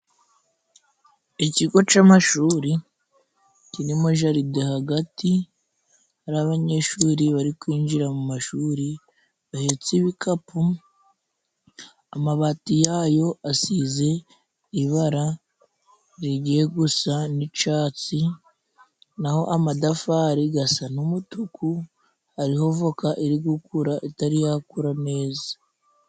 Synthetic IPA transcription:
iciɡo̞t͡ʃamaʃuːɾi | ciɾimo̞ʒaɾidehaɡati | haɾaaβaɲe̞ːʃuːɾiβaɾikwiːɲd͡ʒiɾamumaʃuːɾi | βahet͡siβikʰapu | amaβaːtijaːjo̞asize̞ | iβaɾa | ɾiɟije̞ɡusanit͡ʃaːt͡si | naho̞ʔamadafaɾiɡasanumutuku | haɾiho̞vo̞kaʔiɾiɡukuɾaʔitaɾijakuɾane̞ːza

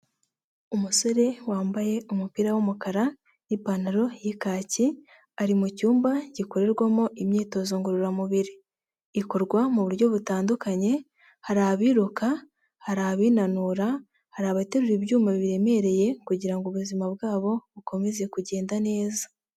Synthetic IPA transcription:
umuso̞ɾe̞waːmbaje̞umupiɾawomukaɾa | jipanaɾo̞jikaːci | aɾimucuːmbaɟiko̞ɾe̞ɾɡwamo̞ʔimɲiːto̞zoŋɡuɾuɾamuβiɾiː | ko̞ɾɡwamuβuɾɟo̞βutaːndukaɲe̞ | haɾaːβiːɾuka | haɾaβiːnanuːɾa | haɾaβate̞ɾuɾibjuːmaβiiɾe̞me̞ɾe̞je̞kuɟiɾaŋɡoβuzimabɡaːβo̞βuko̞me̞ze̞kuɟe̞ːndane̞ːza

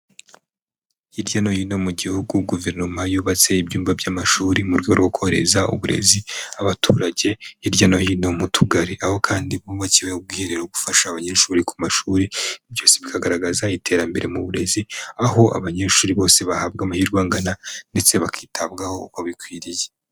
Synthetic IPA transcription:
iɾɟano̞hino̞muɟihuɡuɡuve̞ɾnumajuːβat͡se̞ibjuːmbabjamaʃuːɾimuɾɡwɾɡokʰo̞ɾe̞̰zaṵβuɾe̞̰ziaβatʰuːɾaɟe̞iɾɟano̞hino̞mutʰuɡaɾiʔaho̞kʰaːndiβuββaciβeub̚ɡwiːheɾeɾoɡufaʃaβaɲeːʃuːɾiku̥maʃuːɾiibjo̞ːseβikʰaɡaɾaɡazaitʰe̞ːɾambe̞ɾʔe̞muβuɾe̞ziaho̞ʔa̰βaɲe̞ːʃuːɾiβo̞ːse̞βahaːbɡamahiːɾɡwaːŋɡanande̞t͡se̞βakʰiːtʰaβɡaho̞kaβikwiːɾije

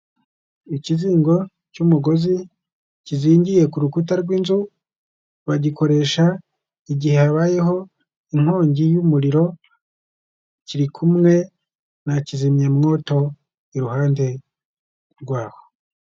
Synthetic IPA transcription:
iciziːŋɡo̞ | cumuɡo̞zi | ciziːɲɟije̞kuɾukutaɾɡwiːnzu | βaɟiko̞ɾe̞ːʃa | iɟihe̞haβaːje̞ɦo̞ | iŋ̥hoːɲɟijumuɾiɾo̞ | ciɾikʰumŋe̞ | nacizimɲemŋo̞ːto̞ | iɾuhaːnde̞ | ɾɡwaːho̥

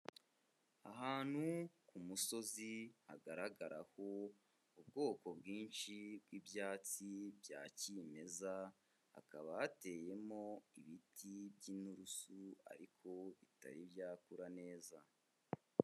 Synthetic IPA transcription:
aɦaːn̥hukumuso̞zihaɡaɾaɡaɾaho̞ | ubɡo̞ːko̞bɡiːnʃib̚ɡibjaːt͡sibja̰ːcime̞za | ha̰kaβahate̞je̞mo̞iβitʰibɟinuɾusua̰ɾikʰo̞ita̰ɾibjaːkuɾane̞ːza

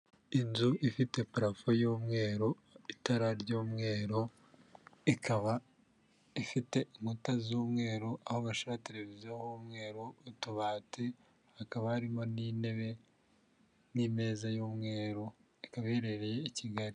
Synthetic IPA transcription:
inzuʔifite̞pɾafojuːmŋe̞ːɾo | itaɾaɾɟuːmŋe̞ːɾo̞ | ikaβa | ifite̞ŋ̥utazuːmŋe̞ːɾoʔahoβaʃaβate̞ɾe̞vizijohuːmŋe̞ːɾoutuβaːte | hakaβahaɾimo̞nine̞βe̞ | nime̞ːzajuːmŋe̞ːɾo | ikaβeɾe̞ɾe̞jeiciɡaɾi

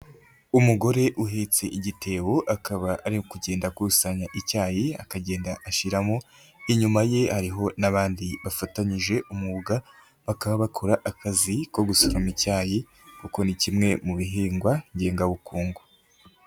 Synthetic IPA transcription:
umuɡo̞ɾeʔuɦe̞t͡se̞ʔiɟite̞ːwoʔakaβaʔaɾiokuɟe̞ːndakuusaɲaʔicaːjia̰kaɟe̞ːndaʔaʃiɾamo | iɲumaje̞haɾiɦo̞naβaːndiβafataɲiʒe̞ʔumuβuɡa | βakaβaβakʰoɾaʔakaziko̞ɡusoɾomicaːji | kuko̞nicimŋe̞muβiɦiːŋɡwaɲɟe̞ːŋɡaβukuːŋɡo

